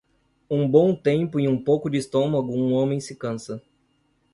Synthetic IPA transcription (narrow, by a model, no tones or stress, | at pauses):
ũbõw̃t̪ẽmpʊiũpowkʊd͡ʒɪist̪õmɐɡʊũõmẽj̃sɪkɐ̃sɐ